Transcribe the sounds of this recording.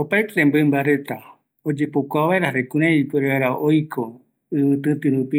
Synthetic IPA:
opaetɾẽmbɨmbaɾe̞t̪a | od͡ʒe̞pokʷaβaeɾaɾekũɾ̃ãipeɾeaeɾaojkʰo | ɨmɨ̃t̪ɨ̃t̪ɨɾũpi

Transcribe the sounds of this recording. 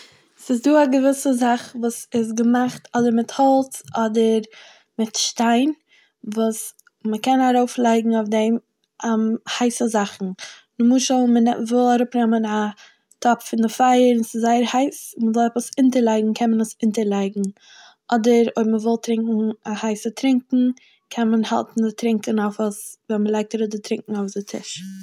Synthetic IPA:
sɪs̬duːaɡəvɪsəzaχvuːsɪs̬ɡəmaχtɔdəɾmɪthɔlˠt͡sʔɔdəɾ | mɪtʃtaɪn | vuːs | məkɛnaɾoʊflˠaɪɡŋ̩aʊfdɛm | ɛmhaɪsəzaχn̩nʊmuːʃəlˠmənɛvɪlˠaɾʊpnɛməna | tʰɔpfɪndɪfaɪəɾɪnsɪzːaɪəɾhaɪsməzɔlˠɛpəsɪntəɾlˠaɪɡŋ̩kʰɛnmənəsɪntəɾlˠaɪɡŋ̩ | ʔɔdəɾo̰ɪbməvɪlˠtɾɪŋkŋ̩ahaɪsətɾɪŋkŋ̩ | kʰɛnmənha̰lˠtn̩tɾɪŋkənaʊfɔsvɛnməlˠaɪk̚taɾʊdɪtɾɪŋkŋ̩aʊfdɪtʰɪ̰ʃ

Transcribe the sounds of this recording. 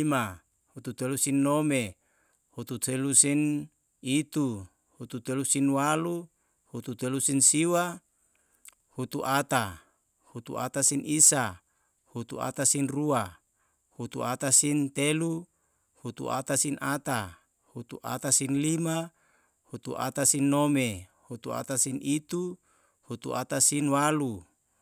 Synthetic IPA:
ma | hut̪ut̪elusinːome | hut̪ut̪elusin | it̪u | hut̪ut̪elusinwalu | hut̪ut̪elusinsiwa | hut̪uʔat̪a | hut̪ṵʔa̰t̪asinisa | hut̪ṵa̰t̪asinrua | hut̪uat̪asint̪elu | hut̪ṵʔa̰t̪asinʔat̪a | hut̪ṵʔa̰t̪asinlima | hut̪ṵʔa̰t̪asinːomehut̪ua̰t̪asinit̪u | hut̪ṵʔat̪asinwalu

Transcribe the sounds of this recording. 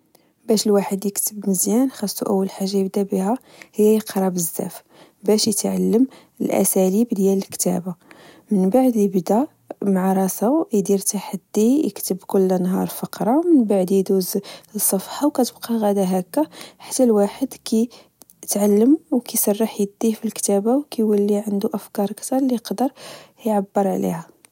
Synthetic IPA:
bæʃəlwaħəd̪jəkt̪əbməzjænxɑsˤːuʔəwːəlħaʒːajəb̚d̪æbihæ | həjːæjəqɾˤɑbəzːæ̰f | bæʃjət̪ʕalːəm | əlʔæ̰sælibd̪jæləlkt̪æ̰ba | mənbaʕd̪jəbd̪æ | mʕɑɾˤɑsajd̪iɾt̪aħad̪ːijə̰kt̪əbkʊlːnɦɑɾˤfɑqɾˤɑmənbaʕd̪jid̪uzsˤːɑfħawkæt̪əbqɑɣæd̪æɦækːaħḁt̪ːælwaħəd̪kʰi | t̪ʕalːəmwkisˤɑrˤːɑħjəd̪ːihfilkt̪æbawkijwəlːiʕənd̪uʔəfkɑɾˤkt̪ɑɾˤliqd̪əɾˤjʕabːəɾˤʕlḭhæ

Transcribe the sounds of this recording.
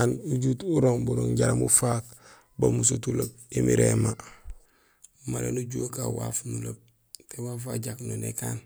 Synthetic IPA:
nuɟutuɾoŋbuɾoŋɟaɾamufak | bamus̬otulok̚imiɾema | maɾḛnuɟuokawa̰fnulob̚ | tewaf̬aɟaknonekaːn

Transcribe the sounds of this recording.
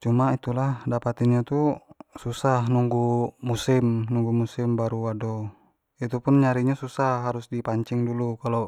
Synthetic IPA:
t͡ʃumait̪ulahdapat̪inɲat̪ususahnuŋɡumusimnuŋɡumusimbaɾuadɔ | it̪upunɲaɾiɲasusahɦaɾusdipaɲt͡ʃiŋdulukalo

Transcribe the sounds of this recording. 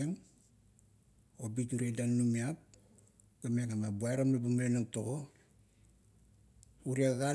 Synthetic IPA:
eŋ | obituɾedanːumiap̚ | ɡameŋamabuaeɾamlabamalenaŋto | uɾiaaɡa

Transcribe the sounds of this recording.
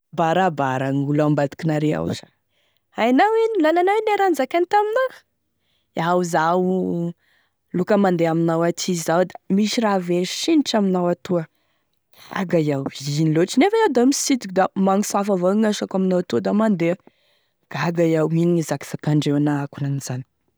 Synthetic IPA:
baɾabaɾaŋulambat̪i̥kinaɾea̰wza | ajnawenilananaweneɾanzakʲanit̪amina | awuzau | lukəmand̪eaminawat̪ʰizawd̪ḁmiʃiraveʃiniʈ͡ʂaminawat̪uə | a̰ɡajawiniloʈ͡ʂinefaawd̪amisid̪ikud̪amaŋisuafavaŋaʃakaminawat̪uəd̪amand̪eə | ɡ̥aɡajawiniŋizaki̥z̥akaɳɖ͡ʐewanaakunaniz̥ani̥

